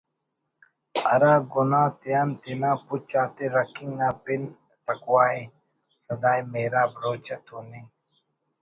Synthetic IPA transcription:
ɐ̰ɾaːɡunãːt̪ijaːnt̪inãːput͡ɕaːt̪eɾɐkiŋɡnaːpin | t̪ɐkwaːi | sɐd̪aːjmeːɾaːbɾoːt͡ɕɐt̪ʰuni

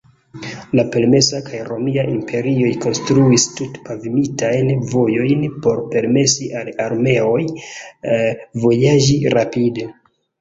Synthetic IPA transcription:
lape̞lme̞sakajɾo̞miaʔimpʰe̞ɾio̞jko̞nstɾuistutpavimitajnvo̞jo̞jnpo̞ɾpe̞ɾme̞siʔalaɾme̞o̞j | vo̞jaʒiɾapide̞

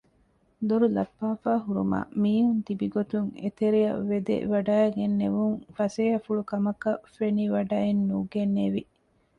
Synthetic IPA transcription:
d̪oɾulɐpːaːfaːɦuɾṵma̰ːmiːɦunt̪ibiɡot̪uŋḛt̪eɾiɐ̰ʋːed̪ḛʋɐɖaːeɡenːeʋuŋfɐseːɐfuɭukɐmɐkɐfeniʋɐɖaːenːuːɡenːeʋi

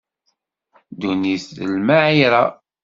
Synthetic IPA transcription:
d̪uniθðə̰lmaʕiɾɑ

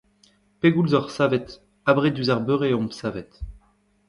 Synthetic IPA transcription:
peɡulzɔʁsavɛt̪ | abʁed̪yzaʁbøʁeɔ̃msavɛt̪

